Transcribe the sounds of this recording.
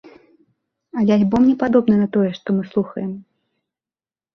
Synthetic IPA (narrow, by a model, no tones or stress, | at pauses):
ɐlʲɛalʲbɔmnʲɛpad̪ɔbnɐnɐt̪ɔjɛʂt̪ɔmɨslˠuxɐjɛm